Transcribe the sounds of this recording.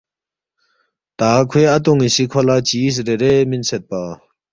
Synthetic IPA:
t̪akʰeːʔat̪̬oŋiɕiʔkʰolat͡ɕijis̬ɹeɹeminset̪̚pa

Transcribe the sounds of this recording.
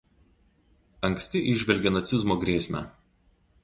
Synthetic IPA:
ɐŋʲksʲt̪ʲɪʔɪʒʲʋʲɛlʲɡʲɛnɐt̪sʲɪzmoːɡɾʲiːsʲmʲæ̰

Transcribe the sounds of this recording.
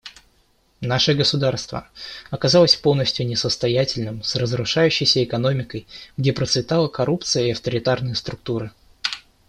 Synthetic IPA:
naʂɨɡəsʊd̪arst̪və̰ɐkɐzalˠəsʲpo̞lˠnəsʲtʲjʊnʲɪsəst̪ɐjætʲɪlʲnɨmsrəzɾʊʂajʉɕːɪjsʲəɪkɐno̞mʲɪkəjɡdʲepɾət̪svʲɪt̪alˠəkɐɾup̚t̪sɨjəɪɐft̪əɾʲɪt̪arnɨjəst̪ɾʊk̚t̪uɾɨ

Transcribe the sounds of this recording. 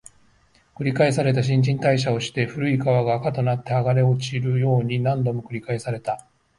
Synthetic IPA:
kɯ̟ɾʲikaesaɾe̞t̪̬aɕ̬ĩɲ̟d͡ʑĩnt̪aiɕ̬ao̞ɕi̥t̪e̞ɸɯ̟ɾɯ̟ikaβaɡaːkat̪o̞nat̪ːe̞aɡaɾe̞o̞t͡ɕiɾɯ̟jo̞ːɲ̟inãnd̪o̞mo̞kɯ̟ɾʲikaesaɾe̞t̪a

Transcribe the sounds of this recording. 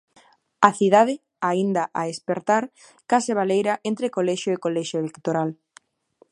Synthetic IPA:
aθiðað̞ɪ | aind̪aʔaespeɾt̪aɾ | kaseβ̞alejɾaʔent̪ɾekolɛʃjoekolɛʃjoelekt̪oɾal

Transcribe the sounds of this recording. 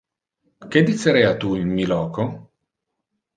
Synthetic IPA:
k̟ed̪ːit͡ʃːeɾɛjat̪uinmilɔːko

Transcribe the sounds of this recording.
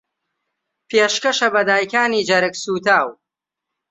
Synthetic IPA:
pʰeːʃkɐʃɐbɐd̪aːjkaːniːd͡ʒɐɾɨksuːt̪aːw

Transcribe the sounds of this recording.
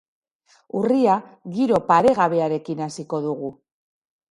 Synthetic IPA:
uriaɣiɾo̞paɾe̞ɣaβe̞aɾe̞kinasiko̞ðuɣu

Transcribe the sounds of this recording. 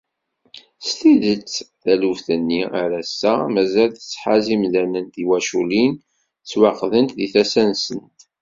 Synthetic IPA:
st̪iðət͡sːθæluvθənːiaɾæsːæmæzælθə̥t͡sːħazimlænənt̪iwæʃulin | t͡sːwɑqðənt̪ðiθæsænsənt̪

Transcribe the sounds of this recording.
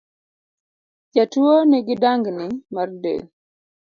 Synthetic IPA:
d͡ʒatuoniɡɪdaŋɡnɪmardḛl

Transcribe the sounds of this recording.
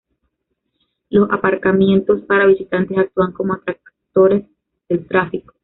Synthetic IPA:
lo̞sapaɾkamje̞nt̪o̞spaɾaβisit̪ant̪e̞sak̚t̪uaŋko̞moat̪ɾak | t̪o̞ɾe̞s | ð̥e̞lt̪ɾafiko̥

